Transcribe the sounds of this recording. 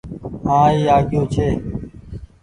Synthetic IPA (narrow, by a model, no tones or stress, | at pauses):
ɦãːiːaːɡʱjoːt͡ʃʰeː